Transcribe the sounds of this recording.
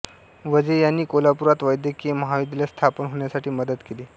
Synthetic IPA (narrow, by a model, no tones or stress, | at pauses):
ʋəd͡zəjanːiːkolapuɾat̪ʋajd̪jəkeməɦaʋid̪last̪ʰapənɦoɳjasaʈiːməd̪ət̪keliː